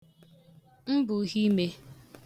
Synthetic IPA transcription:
m̩˦bʊ˨˦ɦi˦me˦

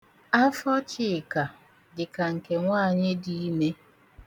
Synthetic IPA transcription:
a˦fɔ˦t͡ʃɪ˨ka˨ | dɪ˨ka˨ŋ̩˨ke˨ŋʷaː˦˨ɲɪ˦di˦i˦me˦

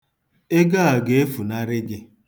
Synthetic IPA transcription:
e˦ɡa˦a˨ɡe˨e˦fu˨na˦ɾɪ˦ɡɪ˦

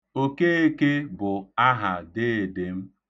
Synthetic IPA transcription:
o˦ke˦e˦ke˦bʊ˨a˦ɦa˨dɪ˦˨dɪ˨m̩˦

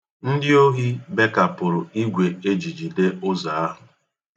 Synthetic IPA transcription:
n̩˦dɪ˦o˦ɦi˦be˦ka˨pʊ˨ɾʊ˨i˦ɡʷe˨e˦d͡ʒi˨d͡ʒi˨de˦ʊ˦za˨a˦ɦʊ˨

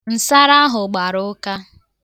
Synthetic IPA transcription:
n̩˨sa˦ɾa˦ɦʊ˨ɡ͡ba˨ɾʊ˦ka˦

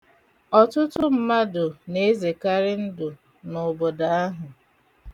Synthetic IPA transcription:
ɔ˨tʊ˦tʊ˦m̩˨ma˦dʊ˨ne˨˦ze˨ka˦ɾɪ˦n̩˦dʊ˨ | nʊ˨bo˨da˨a˦ɦʊ˨

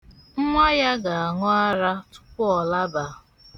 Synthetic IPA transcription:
ŋ̩˦ŋʷa˦ja˦ɡa˨a˨ŋɔ˦a˦ɾa˦tʊ̥˦pʊ˦ɔ˨la˦ba˨

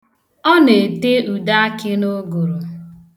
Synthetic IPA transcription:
ɔ˦ne˨te˦u˨da˦a˦kɪ˦no˦ɡo˨ɾo˨

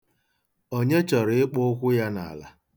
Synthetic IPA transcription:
o˦ɲe˦t͡ʃɔ˨ɾɪ˨ɪ˦k͡pʊ˦ʊ˦kʷʊ˦ja˦na̰˨la̰˨˦

